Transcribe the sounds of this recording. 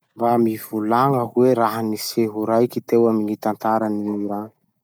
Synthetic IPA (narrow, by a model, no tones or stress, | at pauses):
mbamivulaŋəɦweɾaɦaniseɦuɾajkit̪ewaminit̪ant̪aɾaniuɾaŋi̥